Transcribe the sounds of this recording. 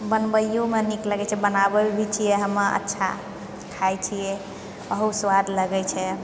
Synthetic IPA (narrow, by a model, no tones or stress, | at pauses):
bənbəjjomenikləɡɛt͡ʃʰɛbənabebʱit͡ʃʰijɛɦəməə̰tːʃʰa̰ | kʰajt͡ʃʰijɛ | əɦuswad̪ʱləɡɛt͡ʃʰɛ